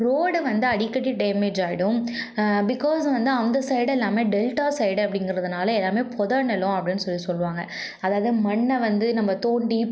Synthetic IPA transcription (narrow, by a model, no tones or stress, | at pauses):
ɾoːɽʋɐnd̪ɯɐɽɪkːɐʈːiɖeːmeːd͡ʒaːjɪɽʊ̃ | bɪkːɔːsʋɐnd̪ɯɐnd̪ɐsɐɪɽɛlːaːmeːɖɛlʈaːsɐɪɽɐpːɐɽɪŋɡɪɾɐðɯnaːlɐɛlːaːmeːpʰɔðɐɳɛlʊ̃ɐpɐɽɪnːɯsɔlːisɔlːɯʋaːŋɡɐ | ɐðaːʋɐðɯmɐɳːɐʋɐnd̪ɯnɐmːɐt̪oːɳɖi